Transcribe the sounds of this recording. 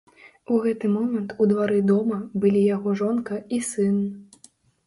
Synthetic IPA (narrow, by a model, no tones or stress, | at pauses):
uɣɛt̪ɨmɔmɐnt̪ʰud̪vaɾɨd̪ɔmɐbɨlʲijaɣɔʐɔnkɐisɨn